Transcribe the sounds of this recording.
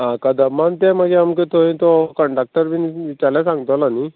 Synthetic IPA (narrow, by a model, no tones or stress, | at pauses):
ɦãkad̪əmant̪ɛ̃məɡeamkət̪oint̪ɔkəɳɖak̚ʈəɾʋinʋit͡ɕaɾljasãŋɡt̪ɔlani